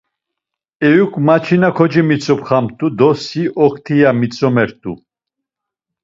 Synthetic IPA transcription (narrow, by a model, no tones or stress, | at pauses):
ɛjukʰʼmat͡ʃʰinakʰɔd͡ʒimit͡sʼɔpχamt̪ʼud̪ɔsiʔɔkʰt̪ʰijamit͡sʼɔmɛɾt̪ʼṵ